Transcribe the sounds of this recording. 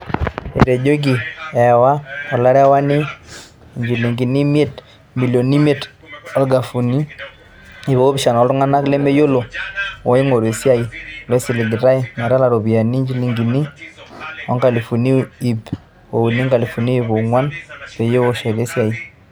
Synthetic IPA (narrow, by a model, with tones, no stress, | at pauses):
ḛ˨ɾe˨d͡ʒo˦ɡ̬i˨ɛ˨wa˦ɔ˨la˦ɾɛ˦wa˦ni˦˨ | ɲd͡ʒi˨li˨ŋɡi˨ni˦mi˦e˦t | mi˨lo˨ni˦me˦˨t | ɔ˨˦lɡa˨fu˨ni˦ | i˨βo˨o˦bɪ˨ʃa˨nɔ˨˦ltʊ˦ŋa˦na˦kle˦me˦jo˦lo˨wɔ˦i˦ŋo˨ɾe˨sja˦i˨lɛ˦si˨li˨ɡi˨ɾa˦i˦˨ma˨ɾa˦la˨ɾo˨bi˨a˨ni˦ɲd͡ʒi˦li˨ŋɡi˨ni˦ | ɔ˦ŋka˨li˨fu˨ni˦i˨p | o˨wu˨ni˦ŋɡa˨li˨fu˨ni˦i˨bo˨ŋwa˦npe˨jo˦o˨ʃe˨ɾe˦sja˨i˨